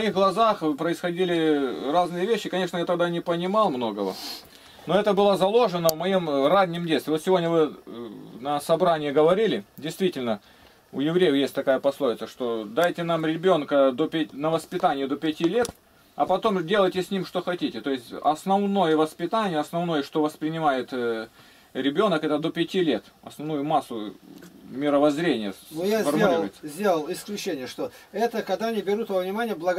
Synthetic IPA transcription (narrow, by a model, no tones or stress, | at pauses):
vmɐixɡlˠɐzaxpɾəɪsxɐdʲilʲɪraznɨjəvʲeɕːɪkɐnʲe̞ʂnəjat̪ɐɡ̚d̪anʲɪpənʲɪmɑlˠmno̞ɡəvə̰ | noɛt̪əbɨlˠəzɐlˠo̞ʐɨnəvmɐjimradʲɪmdʲet̪st̪ʲɪo̞t̪sʲɪvo̞dʲnʲəvɨ | nəsɐbɾanʲɪjɪɡəvɐɾʲilʲɪdʲɪjst̪vʲitʲɪlʲnə | ʊjɪvɾʲejɪfjesʲtʲt̪ɐkajəpɐslˠo̞ɪt̪səʂt̪o̞d̪ajtʲɪnamɾʲɪbʲo̞nkəd̪opʲɪnəvəspʲɪt̪anʲɪjɪd̪opʲɪtʲilʲe̞t̪ | ɐ̰pɐt̪o̞mdʲe̞lˠəjtʲɪsʲnʲimʂt̪o̞xɐtʲitʲɪt̪o̞jɪsʲtʲɐ̰snɐvno̞jəvəspʲɪt̪anʲɪjəɐsnɐvno̞jəʂt̪o̞vəspɾʲɪnʲɪmajɪt̪ | ɾʲɪbʲo̞nəkɛt̪əd̪opʲɪtʲilʲe̞t̪ | ɐ̰snɐvnujʊmasːʊ | mʲɪɾəvɐzɾʲenʲɪjənojafərmʊlʲiɾʊjɪt̪səzʲdʲelˠəlˠɪsklʲʉt͡ɕːenʲɪjəʂt̪oɛt̪əkɐɡd̪anʲɪbʲɪɾut̪vəvnʲɪmanʲɪjəblˠəɡ